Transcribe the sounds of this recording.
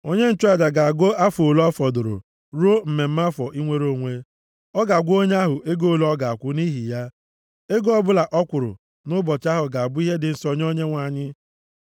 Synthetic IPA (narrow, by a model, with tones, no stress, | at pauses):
o˦ɲe˦n̩˦t͡ʃa˦˨da˨ɡa˨a˨ɡo˦a˦fo˨lɔ˦fɔ˨dʊ˨ɾʊ̰˨ | ɾu˦o˦m̩˨me˨m̩˦ma˦fɔ˨ʔi˦ŋʷe˦ɾo˨˦˨ŋʷe˦ | ɔ˦ɡa˨a˨ɡʷo˦ɲ˦a˦ɦʊ˨ʔe˦ɡo˦˨lɔ˦ɡa˨a˨kʷʊ˦ni˦ɦi˨ja˦ | e˦ɡo˦ɔ˦bʊ˦la˨ʔɔ˦kʷʊ˨ɾʊ̰˨ | nʊ˦bɔ˨t͡ʃa˦ɦʊ˨ɡa˨a˨bʊ˦i˦ɦe˦dɪ˨n̩˦sɔ˨ɲ˦o˦ɲe˦ŋʷa˨ɲɪ˦